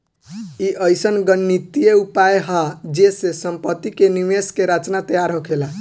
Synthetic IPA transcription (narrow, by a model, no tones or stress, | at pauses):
iʔəjsənɡənːit̪ijeupajɦad͡ʒesesəmpət̪ːikenimeskeɾat͡ʃnat̪əjaɾɦokʰela